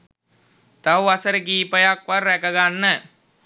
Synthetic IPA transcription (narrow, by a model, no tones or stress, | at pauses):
t̪auasəɾəkiːpəjakʋaɾːɛkəɡanːə